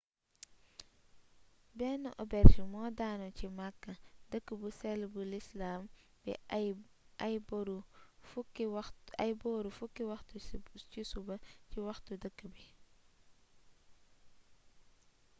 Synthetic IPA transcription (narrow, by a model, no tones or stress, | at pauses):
bɛːnːuʔɔbɛɾsumɔːdaːnɔcimakːɐdəkːəbusɛlbulislaːm | b̥ɛ̰ | ɐjbɔɾu | ɐjbɔːɾufukːiwɐxtucisubɐciwɐxtudəkːəbi